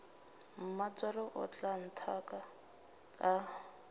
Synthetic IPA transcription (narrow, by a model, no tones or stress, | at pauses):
m̩mat͡sʼalɔʔʊ̰t͡ɬan̩tʰakaː